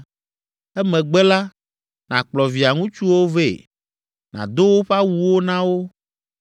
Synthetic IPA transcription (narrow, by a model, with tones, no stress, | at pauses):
ɛ˦mɛ̃˨ɡ͡bɛ˦la˦ | nã˨k͡plɔ˨vi˨a˨ŋũ˦t͡ʃu˦wo˦ve˦˨ | nã̰˨d̪o˦wo˦ɸa˦wu˨wo˦nã˦wo˦